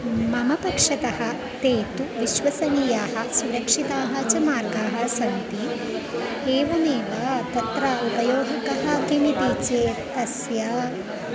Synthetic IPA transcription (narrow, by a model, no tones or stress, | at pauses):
mɐmɐpɐkʂɐt̪ɐhɐ̆ | t̪eːt̪uʋiʃʋɐsɐniːjaːɦɐsuɾɐkʂit̪aːɦɐt͡ʃɐmaːɾɡaːɦɐsɐnt̪i | eːʋɐneːʋɐt̪ɐt̪ɾɐupɐjoːɦɐkɐɦɐkimit̪it͡ʃeːt̪ɐsjɐ